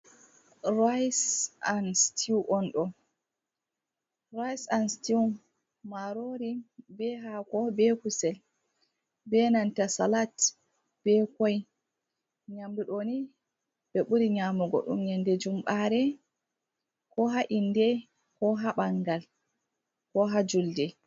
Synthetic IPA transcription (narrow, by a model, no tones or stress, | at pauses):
ɾajsanstʰiwʔɔnɗɔ | ɾajsansti | maɾoɾibɛɦakɔbɛkusɛl | bɛnantasalat | b̥ɛkɔj | ɲamduɗoni | bɛɓuɾiɲamɔɡɔ̰ɗṵmɲɛndɛd͡ʒumɓaɾɛ | kɔɦaʔindɛ | kɔɦaɓaŋɡal | kɔɦad͡ʒuldɛ